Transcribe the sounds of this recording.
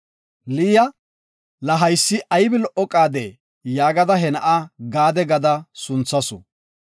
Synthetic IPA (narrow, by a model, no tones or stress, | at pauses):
liːjɐ | lɐɦɐjsːɪʔɐjbɪlɔʔːɔkʼaːd̪e | jaːɡɐd̪ɐɦɛnɐʔaɡaːd̪ɛɡɐd̪ɐsʊnt͡sːɐsʊ̰